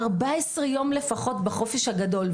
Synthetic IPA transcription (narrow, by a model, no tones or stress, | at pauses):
ʁbaesʁejo̞mlefaχo̞tbaχo̞feʃhaɡado̞l